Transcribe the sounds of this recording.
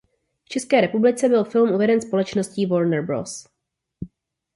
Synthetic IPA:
ft͡ʃɛskɛːɾɛpublɪt͡sɛbɪlfɪlmʔuvɛdɛnspo̞lɛt͡ʃnosciːvoɾnɛrbɾo̰s

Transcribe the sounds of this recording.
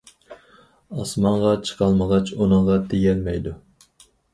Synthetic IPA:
ɑsmɑɴʁɑt͡ʃʰə̥qʰɑlˠməʁɑt͡ʃunɨɴʁɑt̪ʰeɡɛlmɛjd̪u

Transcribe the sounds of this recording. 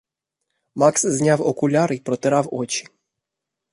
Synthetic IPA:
maksznʲawɔkulʲaɾipɾɔt̪ɛɾawot͡ʃi̥

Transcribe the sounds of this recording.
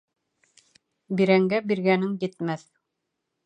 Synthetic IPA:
biɾæŋɡæbiɾɡænɘŋjɘ̆t̪̚mæθ

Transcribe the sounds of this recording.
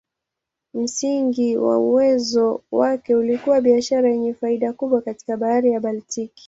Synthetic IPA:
m̩siŋɡiwa̰uwɛzɔwakɛulikuwaɓiaʃaɾajɛɲɛfaiɗakuɓwakati̥kaɓaaɾijaɓaltiki̥

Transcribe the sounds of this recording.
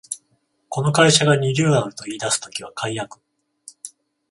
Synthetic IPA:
ko̞no̞kaiɕaɡaɲʲiɾʲɨːnaɾɯ̟t̪o̞iːd̪asɨ̥t̪o̞kʲiβ̞akʰaijakɯ̥

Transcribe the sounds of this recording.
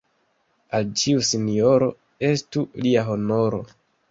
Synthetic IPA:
alt͡ʃiusinio̞ɾo̞ | e̞stuliaɦo̞no̞ɾo̞̰

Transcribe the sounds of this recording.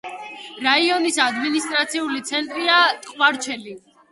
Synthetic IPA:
ɾaiɔnisad̪minist̪ʼɾat̪sʰiulit̪sʰɛnt̪ʼɾiat̪ʼqʼvaɾt͡ʃʰɛli

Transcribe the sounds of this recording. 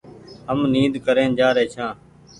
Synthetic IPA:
ɦəmniːd̪kəɾẽːnd͡ʒaːɾeːt͡ʃʰãː

